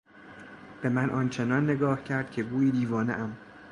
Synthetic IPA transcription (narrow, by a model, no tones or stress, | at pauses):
b̥e̞mænʔɒnt͡ʃʰe̞nɒnːe̞ɡɒːhcʰæɾd̪̥̚cʲʰe̞ɡuːiːd̪iːvɒːnḛʔæm